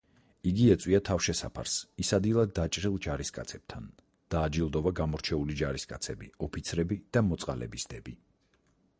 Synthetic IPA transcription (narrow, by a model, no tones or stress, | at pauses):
iɡiɛt̪sʼwiat̪ʰafʃɛsa̰pʰa̰ɾsisad̪ilˠad̪ːat͡ʃʼɾilˠd͡ʒaɾiskʼa̰t̪sʰɛb̥̚t̪ʰan | d̪̥aːd͡ʒilˠd̪ɔvaɡamɔɾt͡ʃʰɛulid͡ʒaɾiskʼat̪sʰɛbiɔpʰit̪sʰɾɛbid̪̥amɔt̪sʼqʼa̰lɛ̰bisd̪ɛbi